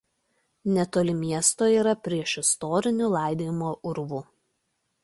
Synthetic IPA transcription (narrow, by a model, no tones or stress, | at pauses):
nʲɛt̪oːlʲɪmʲiɛst̪oːiːɾɐpʲɾʲiɛʃɪst̪ɔːɾʲɪnʲuːˑlˠɑˑɪd̪ʲeːjmoːʔʊɾʋuː